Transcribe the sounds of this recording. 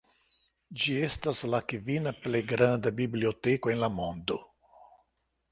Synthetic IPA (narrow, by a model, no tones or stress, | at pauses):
d͡ʒiest̪aslakivinaplejɡɾand̪abibliot̪ekoenlamond̪o